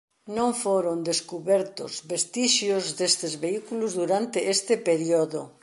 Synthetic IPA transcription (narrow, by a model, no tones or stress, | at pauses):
nõŋfoɾond̪eskuβɛɾt̪ʊzβest̪iʃjozd̪est̪ezβeikulʊzðuɾant̪ɪʔest̪ɪpeɾjoðʊ